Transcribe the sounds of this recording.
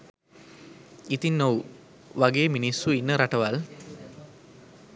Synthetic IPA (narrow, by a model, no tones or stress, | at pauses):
it̪inːow | ʋaɡeːminisːuinːəɾaʈɐʋal